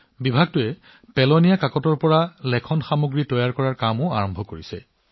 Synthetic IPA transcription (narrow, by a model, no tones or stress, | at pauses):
bibʱaɡ̚tʊɛ | pɛlɔnijakakɔtɔɹpɔɹalɛkʰɔnxamuɡɹitɔjaɹkɔɹaɹkamʊaɹɔmbʱɔkoɹisɛ̰